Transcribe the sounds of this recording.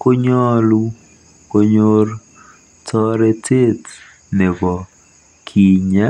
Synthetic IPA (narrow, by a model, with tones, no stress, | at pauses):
ko˦ɲɔ˦lu˦ | ko˦ɲo˦r | tʰɔ˦ɾɛ˦tʰe˦t | ne˨bɔ˨ | kʰi˨ɲɛ˦